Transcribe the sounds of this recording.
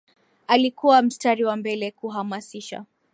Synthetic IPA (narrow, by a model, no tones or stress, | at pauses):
alikuwam̩staɾiwambɛlɛkuɦamasiʃa̰